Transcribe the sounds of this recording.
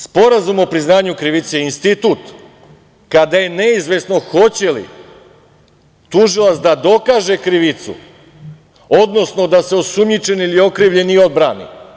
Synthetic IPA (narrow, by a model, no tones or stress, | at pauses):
spo̞ɾazumo̞pɾiznaːɲukɾiʋit̪seinst̪it̪ut̪ | kad̪aje̞ne̞izʋe̞sno̞xo̞t͡ɕe̞lḭ | t̪uʒilˠasd̪ad̪o̞kaːʒe̞kɾiʋit̪sṵ | o̞d̪no̞sno̞d̪aseo̞sumɲit͡ʃe̞nilio̞kɾiːʋʎe̞nio̞d̪̚bɾanḭ